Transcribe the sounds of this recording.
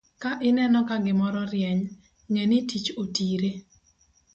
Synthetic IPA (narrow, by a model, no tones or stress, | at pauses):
kaʔɪnɛnɔkaɡɪmɔɾɔɾjɛɲ | ŋenɪtit͡ʃotiɾe